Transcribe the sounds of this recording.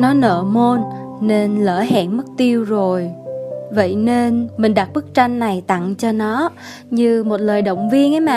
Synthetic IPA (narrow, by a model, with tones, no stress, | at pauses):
nɔ˨˦nə̰ː˧˨mo˧nne˧nləː˧˩ɦɛ̰ː˧˨nmə˦˥k̚t̪i˧əwzo˨˩jvə̰˧˨jne˧nmï˨˩ŋ̟ɗa˨˩t̚ɓɨ˦˥k̚t͡ɕa˧jŋ̟ːa˨˩jt̪a̰˧˨ŋt͡ɕɔ˧nɔ˨˦ | ɲɨ˧mo˨˩t̚ləː˨˩jɗə̰˧˨wŋ͡mvi˧ənʔə˨˦jmaː˨˩